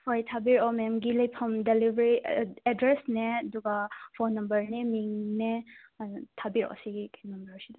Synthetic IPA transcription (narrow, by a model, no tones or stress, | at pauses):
fʰajtʰabiɾɔmɛmɡilɐjpʰɐmdelibɾiedɾesneɐduɡapʰonːɐmbɐɾnemiŋne | tʰabiɾɔ̰siɡikʰnɐmbɐɾsid